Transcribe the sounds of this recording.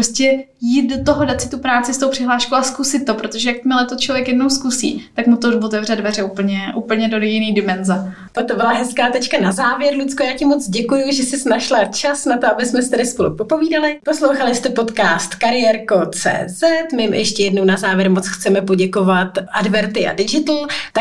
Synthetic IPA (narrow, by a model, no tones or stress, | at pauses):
ɾoscɛjiːt̪̚dot̪oɦodat̪sɪt̪upɾaːt͡sɪst̪owpr̥ɪɦlaːʃkowaskusɪt̪̚ːo̞pɾot̪oʒɛjak̚t̪mɪlɛt̪ot͡ʃlovjɛkjɛdno̞wskusḭːt̪akmut̪ovot̪ɛvrɛd̪̚dvɛrɛupl̩ɲɛʔupl̩ɲɛdodɛjɪniːdɪmɛnzɛ | t̪ak̚t̪obɪlaɦɛskaːt̪ɛt͡ʃkanazaːvjɛɾlut͡skojaːcɪmot͡sɟɛkujʊʒɛsɪsnaʃlat͡ʃasnat̪oabɪsmɛsɪt̪adɪspolṵpopoviːdalɪposlowxalɪst̪ɛpo̞t̪kaːst̪kaɾɪjɛɾkot͡sɛ̰ːzɛt̪mɪmʔɛ̰ʃcɛjɛdnownazaːvjɛɾmot͡sxt͡sɛmɛpoɟɛkovat̪ʔadbɛɾt̪ɪʔa̰dɪd͡ʒɪt̪l̩t̪a